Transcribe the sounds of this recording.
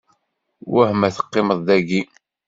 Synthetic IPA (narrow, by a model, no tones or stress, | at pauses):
wæhmæθə̥qːɪməðˤːæɡi